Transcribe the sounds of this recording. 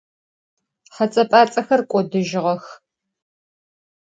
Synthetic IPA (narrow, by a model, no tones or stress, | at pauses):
χɐt͡sʼɐpʼaːt͡sʼɐxɐrkʷʼɔdɨʒɪʁɐx